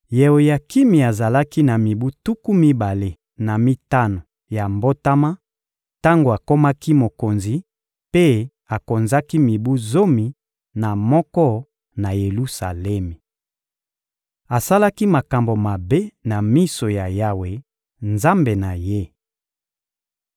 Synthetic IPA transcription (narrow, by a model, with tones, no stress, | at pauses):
je˨wo˨ja˨ki˦mi˨a˨za˨la˦ki˦na˨mi˨bu˦tu˦ku˦mi˦ba˨le˨ | na˨mi˦ta˦no˨ | ja˨mbo˦ta˦ma˦ | ta˦ŋɡo˨a˨ko˦ma˦ki˦mo˨ko˨nzi˨ | pe˦ | a˨ko˨nza˦ki˦mi˨bu˦zo˦mi˨ | na˨mɔ˦kɔ˦ | na˨je˨lu˦sa˨lɛ˦mi˨ | a˨sa˦la˦ki˦ma˨ka˨mbo˨ma˨be˦na˨mi˦so˨ja˨ja˦we˨ | nza˦mbe˨na˨je˦